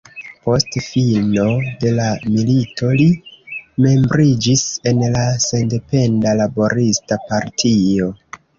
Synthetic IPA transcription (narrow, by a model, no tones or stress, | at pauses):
po̞stfilno̞de̞lamilitʰo̞lime̞mbɾid͡ʒise̞nlase̞nde̞pe̞ndalabo̞ɾistapaɾtʰio̞